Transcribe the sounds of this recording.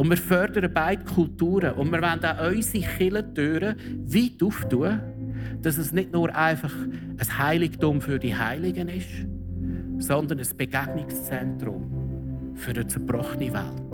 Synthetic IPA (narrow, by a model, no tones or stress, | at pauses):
ʊnmɪːɾfœɾdəɾəbaɪtkʰʊltuːɾəʔʊndmɪːɾvandaʔɔʏsiχɪlədøːɾəviːtuːftuə | d̥ɑs̬əsnɪdnʊɾʔaɪfɑχ | əshaɪlɪktʊmfʏɾd̥ihaɪlɪɡənɪʃ | sɔnd̪ənəsb̥eɡ̥aɡ̥nɪkst͡sɛntɾʊ̰m | fʏɾdət͡sɛb̥ɾɔχəniva̰lt